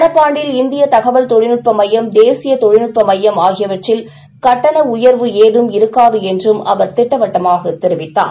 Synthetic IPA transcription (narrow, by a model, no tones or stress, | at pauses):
nɐpːaːɳɖɪlɪnd̪ɪjɐt̪ɐɣɐʋɐɭt̪ɔɻɪnɯʈ̚pɐmɐjːɐmd̪eːsɪjɐt̪ɔɻɪnɪʈ̚pɐmɐjːɐmaːɣɪjɐʋɐʈrɪl | kɐʈːɐnɐʊjɐɾʋɯeːðɯmɪɾɯkːaːðɯɛndrɯmɐ̰ʋɐɾt̪ɪʈːɐʋɐʈːɐmaːɣɐt̪ɪɾɪʋɪt̪ːa̰ː